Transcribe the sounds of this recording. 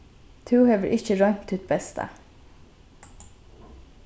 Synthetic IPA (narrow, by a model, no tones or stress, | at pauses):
t̪ʰʉːheːʋəɹʔɪçəɹɑɪŋt̪ʰʉːt̪̚bɛst̪ʰə̰